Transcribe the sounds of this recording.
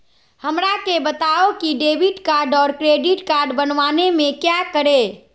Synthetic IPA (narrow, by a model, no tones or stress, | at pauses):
həmɾakebət̪aokiɖeːbiʈkaːɾɖɔːɾkɾeɖiʈkaːɾɖbənʋaːnemẽkjakəɾe